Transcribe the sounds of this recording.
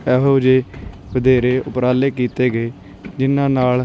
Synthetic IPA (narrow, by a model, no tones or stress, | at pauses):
ɛːɦoːd͡ʒeː | bəd̪eːɾeːʔʊpɾaːleːkiːt̪eːɡeː | d͡ʒɪnãːnaːl